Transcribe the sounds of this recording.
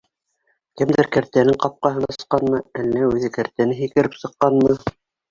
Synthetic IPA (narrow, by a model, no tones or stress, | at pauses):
kɘmd̪ɘɾkæɾt̪ænɘŋqɑp̚qɑɦɤ̆nɑqɑnmɤælːæʉðɘkæɾt̪ænɘɦikɘ̆ɾɘpsɤ̆qːɑnmɤ